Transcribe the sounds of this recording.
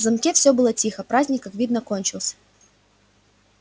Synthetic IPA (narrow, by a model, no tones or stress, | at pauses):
zɐmkʲefsʲɵbɨlˠətʲixəpɾazʲnʲɪkːakvʲid̪nəkonʲt͡ɕɪlˠsʲə̥